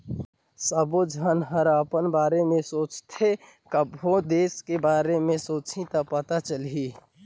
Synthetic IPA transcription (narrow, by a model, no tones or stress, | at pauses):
səbod͡ʒʱənɦəɾaːpənbaːɾemẽsoːt͡ʃt̪ʰe | kəbɦod̪eːskebaːɾemẽsoːt͡ʃʰĩt̪apət̪at͡ʃəliː